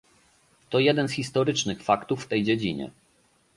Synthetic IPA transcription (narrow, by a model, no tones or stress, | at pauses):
t̪ɔjɛd̪ɛnsxʲist̪ɔɾɘt͡ʂnɘxfakt̪ufːt̪ɛjd͡ʑɛd͡ʑiɲɛ̰